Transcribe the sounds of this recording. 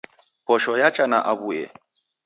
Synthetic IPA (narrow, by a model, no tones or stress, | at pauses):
pɔʃɔjat͡ʃʼanaʔaβujɛ̰